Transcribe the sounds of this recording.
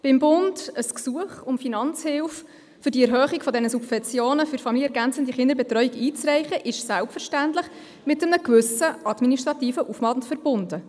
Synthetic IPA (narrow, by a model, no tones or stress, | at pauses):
b̥ɪmbʊndəsksuəχʊmfinɑnt͡shɪlf | fʏɾdiɛɾɦœːχikfɔdɛnəsubfɛnt͡sjoːnəfʏɾfɑmiliəɛɾɡænt͡səndiχɪndəɾbɛtɾœʏiɡiːt͡srɛɪχəʔɪʃsælpfəɾʃtæntlɪχ | mɪtəmnəkvʏsəʔɑdminiʃtɾɑtiːfəʔufmɑːdntfɛɾb̥ʊnd̥ə